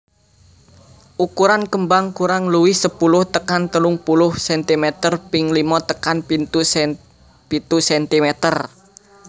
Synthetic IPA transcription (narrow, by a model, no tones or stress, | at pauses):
ʔukuɾankəmbaŋkuɾaŋluwɪhsəpulʊht̪əkant̪əluŋpulʊhsɛnt̪imɛt̪ərpɪŋlimɔt̪əkanpint̪u | pit̪usɛnt̪imɛt̪ər